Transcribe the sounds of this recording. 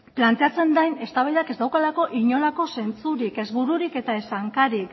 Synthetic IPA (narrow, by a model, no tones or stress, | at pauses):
plant̪e̞at͡se̞nd̪ajne̞st̪aβajðake̞zd̪awkalako̞ʔiɲo̞lako̞se̞nt͡suɾike̞zβuɾuɾike̞t̪ae̞saŋkaɾik